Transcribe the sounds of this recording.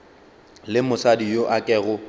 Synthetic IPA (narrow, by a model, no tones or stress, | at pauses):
lɪmʊsadijoʔakʼɛːɣʊ